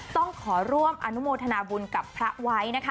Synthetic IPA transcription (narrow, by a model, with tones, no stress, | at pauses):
t̪ɔ˥˩ŋkʰɔː˩˦ɾu˥˩əmʔa˧nu˦˥moː˧t̪ʰa˧naː˧bu˧nka˨˩pʰɾa˦˥wa˦˥jna˦˥kʰ